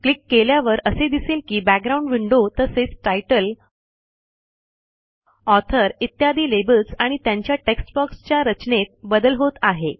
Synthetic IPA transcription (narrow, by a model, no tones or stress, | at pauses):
klikːeljaʋəɾəsed̪iselkiːbæk̚ɡɾaũɳɖʋiɳɖot̪əset͡sʈajʈəl | ɔt̪ʰəɾit̪jad̪iːlebəlsaɽ̃it̪jaɲt͡ɕjaʈeksʈbɔkst͡ɕjaɾət͡ɕnet̪̚bəd̪əlɦot̪aɦe